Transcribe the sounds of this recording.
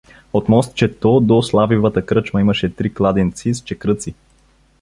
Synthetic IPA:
ot̪mɔst̪̚t͡ʃɛt̪od̪oslˠavivət̪əkɾɤt͡ʃməiməʃɛt̪ɾiklˠad̪ɛnt̪sist͡ʃɛkɾɤt̪si

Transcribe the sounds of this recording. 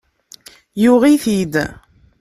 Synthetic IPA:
jʊʁiθid̪

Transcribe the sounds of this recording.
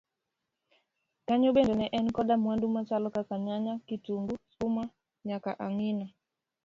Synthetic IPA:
kaɲɔɓɛndɛnɛʔɛnkɔɗamwandumat͡ʃalɔkakaɲaɲakituŋɡusuma | ɲakaʔaŋina

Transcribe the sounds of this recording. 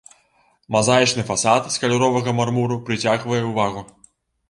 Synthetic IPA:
mazajit͡ʂnɨfasat̪skɐlʲuɾɔvɐɣɐmarmuɾupɾɨt͡sʲaɣvɐjɛwvaɣu

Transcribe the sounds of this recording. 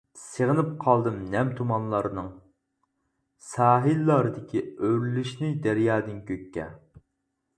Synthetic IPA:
səʁənɨp̚qʰɑlˠd̪ɨmnɛmt̪ʰumɑnlˠɑɾɨnɨŋ | sɑːɦilːɑɾɨd̪ɪkʲʰiøɾlyʃnɪd̪æɾjɑːd̪ɪnkʲʰøkʲːɛ̰

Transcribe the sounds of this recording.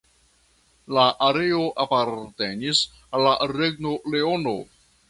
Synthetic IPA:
laʔaɾe̞o̞ʔapaɾte̞nis | alːaɾe̞ɡno̞le̞ono̞̰

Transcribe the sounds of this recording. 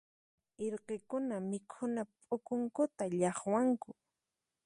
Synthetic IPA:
ɪɾqekʊnamɪkʰʊnapʼʊkʊŋkʊt̪aʎɑχwaŋkʊ

